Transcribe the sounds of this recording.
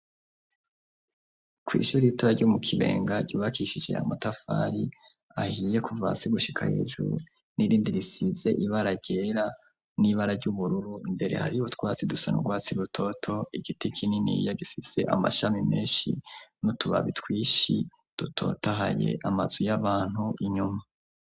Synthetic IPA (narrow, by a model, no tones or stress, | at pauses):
kwḭːʃuɾiitoɾaɾɟumukʰiβe̞̰ːŋɡaɟuːβakiʃid͡ʒe̞̰a̰matafa̰ɾi | ahiːje̞kʰuva̰siɡuʃikʰa̰hḛːʒṵ | niɾiːndiɾisize̞ʔiβaɾaɾɟe̞ːɾa | niβaɾaɾɟuβuɾuɾuimbe̞ɾe̞̰ha̰ɾiutwaːt͡sidusanṵɡwaːt͡siɾutʰo̞tʰo̞iɡitikʰininḭjaɡifise̞ʔa̰ma̰ʃamimeːnʃḭnutuβa̰βitwiːʃḭ | d̥utʰo̞̰ːtaɦa̰je̞̰ʔamazujaβaːn̥huiɲuma